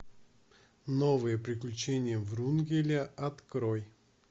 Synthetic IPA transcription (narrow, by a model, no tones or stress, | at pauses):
novɨjəpɾʲɪklʲʉt͡ɕenʲɪjəvrunɡʲɪlʲəɐt̪kɾoj